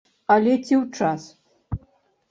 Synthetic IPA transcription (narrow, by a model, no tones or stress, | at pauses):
alʲɛt͡sʲiwt͡ʂas